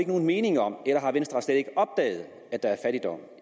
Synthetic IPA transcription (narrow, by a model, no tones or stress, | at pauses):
e̝ɡəno̝ːn̩me̝ːnɪ̝ŋɐɒ̽m̰elɐɦɑ̈ʋensd̥ʁɑ̈sled̥e̝ɡ̥əɒ̽b̥̚d̥ɛ̰ːð̞̩ˠ | æd̥ɑ̈æɐfæɾ̥id̥ɒ̽m̰